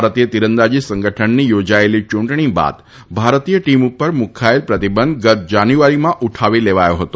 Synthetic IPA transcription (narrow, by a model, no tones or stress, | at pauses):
baɾt̪ijət̪iɾənd̪ad͡ʒisə̃ŋɡəʈʰənːijod͡ʒaelit͡ʃũɳʈɳiba̰d̪ | bʱaɾt̪ijəʈimupəɾmukʰaelpɾət̪ibənd̪ɡət̪̚d͡ʒanjuaɾimãʔuʈʰaʋileʋajoɦət̪o